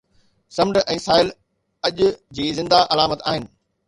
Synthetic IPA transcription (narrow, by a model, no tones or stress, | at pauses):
sɐmɳɖʔɛ̃ːsaːɪl | ɐʄʊd͡ʑiːzɪ̃nd̪aʔɐlaːmət̪a̰ːɦɪnɪ̆